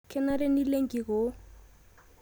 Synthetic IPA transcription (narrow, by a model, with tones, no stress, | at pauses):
kʰɛ˦na˦rɪ˦ni˦le˦ŋ̩˦kʼi˨ɣo˦